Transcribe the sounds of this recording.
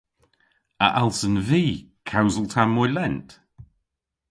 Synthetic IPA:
ə̰ʔalˠsənviːkʰawzəlˠtʰammːɔjlɛnt

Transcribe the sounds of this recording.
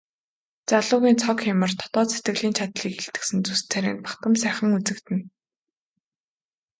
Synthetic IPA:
t͡saɮʊːɣiːnt͡sʰɔkxamə̆rt̪ʰɔ̥t̪ɔːt͡set̪ɡɘ̆ɣɮiːnt͡ɕʰat̪ɮiːkeɬt̪ɘ̥̆ksɘ̆nt͡sust͡sʰæɾḛːnpḁt̪ə̆msæːχə̆ŋut͡sɘ̆kt̪ɘ̆n

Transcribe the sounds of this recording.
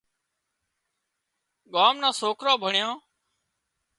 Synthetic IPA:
ɠaːmnãːsoːkʰɾãːbʱəɳjãː

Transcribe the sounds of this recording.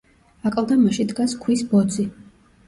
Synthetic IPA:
akʼlˠd̪amaʃid̪ɡaskʰwisbɔd̪zi

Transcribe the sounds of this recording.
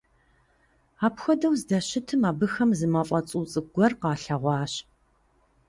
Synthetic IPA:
aːpxʷɔdɐwzdɐɕɪtʰɨmaːbɨxɐmzɨmɐfʼɐt͡sʼuːt͡sʼɨɡʷɔrqɑːɬɐʁʷɑːɕ

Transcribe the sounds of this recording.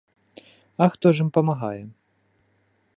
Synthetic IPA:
ɐxt̪ɔʐɨmpɐmaɣa̰jɛ

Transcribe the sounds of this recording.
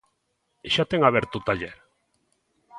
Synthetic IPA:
eʃat̪eŋaβeɾt̪ut̪aʎeɾ

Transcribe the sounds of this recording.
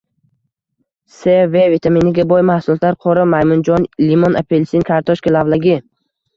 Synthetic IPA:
sevevit̪ʰaminɪɡʲabɔjmahsʊlˠɒt̪laɾqʰɒɾamajmʊnd͡ʒɒnlimonapʰelsinkʰaɾt̪ʰɔʃkʲalavlˠaɡʲɪ

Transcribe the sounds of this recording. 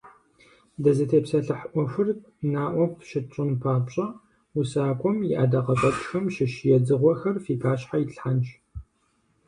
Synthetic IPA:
dɐzɨtʰeːpsɐɬɨħʔʷɔxʷɨr | naːʔʷɔpʰʃɪt͡ʃʼʊnpʰaːpɕʼɐ | usaːkʷʼɔmjɪʔaːdɐqɐpʼɐt͡ʃʼxɐmʃɪʃɪjɛd͡zɨʁʷɔxɐrfiːpʰaːɕħajɪɬħant͡ʃʼ

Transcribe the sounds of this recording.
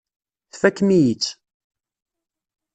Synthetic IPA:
θfækːmijit͡sː

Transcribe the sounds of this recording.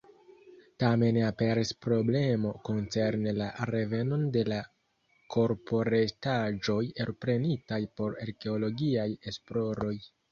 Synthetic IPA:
tame̞nape̞ɾispɾo̞ble̞mo̞ko̞nt͡se̞ɾnelaɾe̞ve̞no̞nde̞la | kʰo̞ɾpʰo̞ɾetad͡ʒo̞jeɾpɾe̞nitajpo̞ɾaɾke̞olo̞ɡiaje̞splo̞ɾo̞j

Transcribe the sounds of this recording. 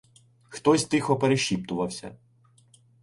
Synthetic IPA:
xt̪ɔsʲt̪ɪxɔpeɾeʃʲip̚t̪ʊʋɐwsʲɐ̰

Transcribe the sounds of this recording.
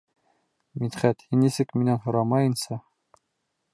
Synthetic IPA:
mit̪χæt̪hinːisɘkminænhŏɾɑmɑjɤ̆nsɑ

